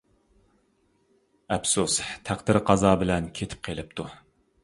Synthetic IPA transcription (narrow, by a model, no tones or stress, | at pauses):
ɛpsust̪ʰæχd̪ɪɾqʰɑzɑːbɪlɛnkʲʰet̪ʰɪ̥p̚qʰelɪp̚t̪ʰu